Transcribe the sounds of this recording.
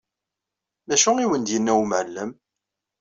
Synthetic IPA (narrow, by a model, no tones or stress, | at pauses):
mæʃʊŋiwənd̪jənːæwmʕəlːəm